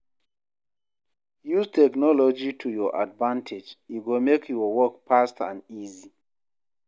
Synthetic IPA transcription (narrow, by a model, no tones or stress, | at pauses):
juztʰɛknɔlɔd͡ʒitʰujɔʔa̰dvãntʰed͡ʒiɡomekʰjɔwɔkpastã̰nizi